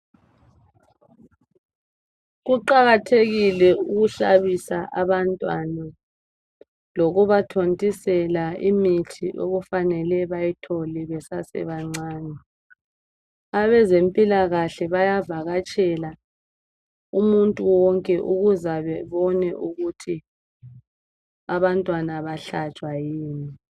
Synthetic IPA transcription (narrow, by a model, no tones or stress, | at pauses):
ɣuǃaɣatʰeɣilɛuɣuɬaβisaʔaβantʼwana | loɣuβatʰontʼisɛlaimitʰiʔo̰ɣufanɛlɛβajitʰɔlɛβɛsasɛ̰βaŋ͡ǀaːnɛ | aβɛzempʼilaɣaɬɛβajavaɣat͡ʃʼɛla | umuntʼuwɔŋkʼɛʔuɣuzaβɛβɔnɛʔuɣutʰi | aβantʼwanaβaɬat͡ʃʼwajiːni